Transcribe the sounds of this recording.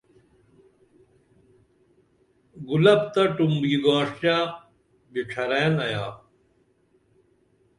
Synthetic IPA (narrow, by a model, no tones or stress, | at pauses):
ɡulɐb̚t̪ɐʈumbɡiɡaːʂjaː | ɡiʈ͡ʂʰɐɾeːnɐjaː